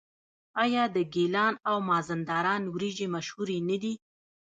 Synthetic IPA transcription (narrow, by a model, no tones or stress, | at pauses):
ɑjɑd̪əɡelɑnawmɑzand̪ɑɾɑnwɾid͡ʒemaʃhuɾenəd̪i